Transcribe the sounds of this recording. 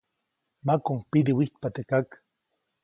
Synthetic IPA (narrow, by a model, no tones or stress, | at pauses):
makoŋpid̪iwiht̪pat̪ekak